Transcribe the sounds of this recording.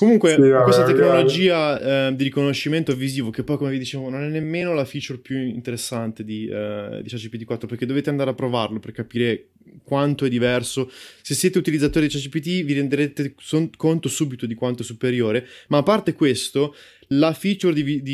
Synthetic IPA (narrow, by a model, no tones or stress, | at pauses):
komuŋkwewest̪at̪eknolod͡ʒiːad̪iɾikonoʃːiment̪oɛvːiziːvokepːɔjkomevid̪it͡ʃeːvononɛnːemːeːnolafit͡ʃerpjuint̪eɾesːant̪ed̪id̪it͡ʃat͡ʃipit̪ikwat̪ːɾoperked̪oveːt̪eand̪aːɾeapːɾovarloperkapiːɾe | kwant̪oɛd̪ːivɛrsosesːjeːt̪eut̪ilid̪zːat̪oːɾid̪it͡ʃat͡ʃipit̪iviɾend̪eɾeːt̪eokont̪osuːbit̪od̪ikwant̪osupeɾjoːɾemaːpːart̪ekwest̪o | lafit͡ʃerd̪ivid̪i